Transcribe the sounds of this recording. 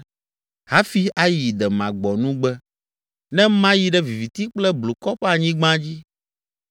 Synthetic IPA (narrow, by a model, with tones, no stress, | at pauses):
ha˦fi˦a˦ji˨d̪ɛ˨mã˨ɡ͡bɔ˨nũ˦ɡ͡bɛ˦ | nɛ̃˦mã˦ji˦ɖɛ˦vi˨vi˨t̪i˦k͡plɛ˦blo˨kɔ˦ɸɛ˦a˨ɲĩ˦ɡ͡bã˦d͡ʑi˦